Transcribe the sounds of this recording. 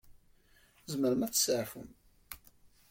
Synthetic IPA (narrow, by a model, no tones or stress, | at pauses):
zməɾəmæt͡sːsəʕfə̰m